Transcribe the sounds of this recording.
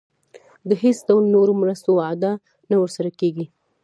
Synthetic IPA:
d̪əɦesd̪awlnoɾomɾəst̪oad̪ɑ | nawəɾsaɾakeɡi

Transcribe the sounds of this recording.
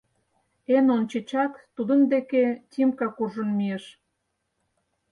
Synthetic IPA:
enont͡ɕet͡ɕɑkt̪ud̪ə̆nd̪eketʲimkɑkurʒə̆nmiĕʃ

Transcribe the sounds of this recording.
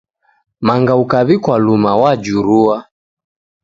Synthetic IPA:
maŋɡaukaβikwalumawad͡ʒuɾua

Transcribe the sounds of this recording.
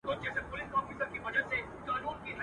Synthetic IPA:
kod͡ʒɛːsepʊlɪsɔːfiːsəɾkiʋɐd͡ʒəd̪se | kaːnũːnkiɦɐ

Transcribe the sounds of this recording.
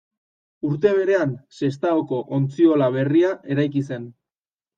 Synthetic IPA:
uɾt̪e̞β̞e̞ɾe̞anse̞st̪aoko̞ʔont͡sio̞laβ̞e̞riaʔe̞ɾajkise̞n

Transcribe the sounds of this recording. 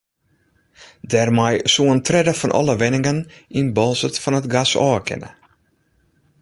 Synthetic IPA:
dɛrmajsuəntʰrɛdəfɔnʔɔ̰lˠəʋɪnɪŋəninbɔlˠsətfɔnətɡasɔːəkʰɪ̰nə̰

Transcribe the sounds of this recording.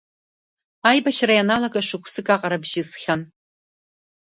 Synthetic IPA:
aːjbɐʃʰrɐjanaːlɐkʼɐʂɨkʷʰsɨkʼaːqɐɾɐbʒɪsχʲɐn

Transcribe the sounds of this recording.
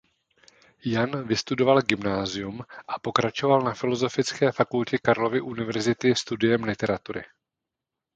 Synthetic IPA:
janvɪst̪udo̞valɡɪmnaːzɪjumʔapo̞kɾat͡ʃo̞valnafɪlo̞zo̞fɪt͡skɛːfakulcɛkaɾlo̞vɪʔunɪvɛɾzɪt̪ɪst̪udɪjɛmlɪt̪ɛɾat̪uɾɪ̰

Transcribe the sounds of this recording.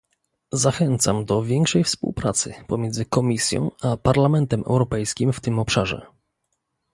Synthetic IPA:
zaxɛnt̪samd̪ɔvʲjɛŋkʂɛjfspṵwpɾat̪sɘ̰pɔmʲjɛndzɘkɔmʲisʲjɔ̰̃w̃apaɾlamɛnt̪ɛmɛ̰wɾɔpɛjskʲimft̪ɘmɔpʂaʐɛ̰

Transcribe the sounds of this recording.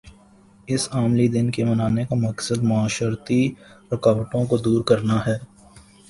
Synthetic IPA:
ɪsaːmlid̪ɪnkemɐnaːnekamɐksəd̪mʊaːʃəɾt̪iɾɐkaːʋəʈõkod̪uːɾkɐɾnaɦɛː

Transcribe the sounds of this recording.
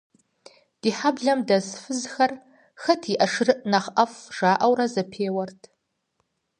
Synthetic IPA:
d̥iːħabɮɐmdɐsfɨzxɐr | xɐtʰiʔɐʂrɨʔnɐχʔɐfʐ̥aːʔɐwrɐzɐpʰeːwɐrtʰ

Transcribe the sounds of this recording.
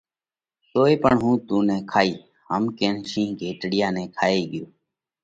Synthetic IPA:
soːeːpəɳɦũːt̪ũːnɛ̃ːkʰaːiː | ɦəmkeːnʃĩːɡʱeːʈɽɪjãːnɛ̃ːkʰaːeːɠɪjoː

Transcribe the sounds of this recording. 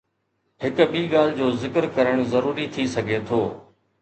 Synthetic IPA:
ɦɪkɓiːɠaːl̤d͡ʑoːzɪkɾkɐɾəɽ̃zɐɾuːɾit̪ʰisɐɡʱet̪ʰoː

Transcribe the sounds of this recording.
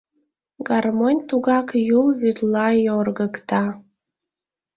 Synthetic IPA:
ɡɑrmonʲt̪uɣɑkjulβyt̪lɑjorɣəkt̪ɑ

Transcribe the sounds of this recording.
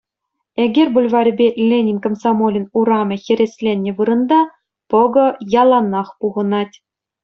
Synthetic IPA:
eɡʲerʲbulʲvɑɾʲbʲelʲenʲinʲkŏmsɑmolʲɘ̆nuɾɑmʲɤ̆xʲĕɾʲesʲlʲenʲːĕʋɯɾɤ̆nd̪ɑ | pɤ̆ɡɤ̆jɑlˠɑnɑχpuʁɤ̆nɑtʲ

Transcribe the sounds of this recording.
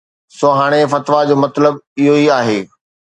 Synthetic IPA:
soːɦaːɽ̃efɐt̪ʋad͡ʑoːmɐt̪ləbɪɦoiaːɦeː

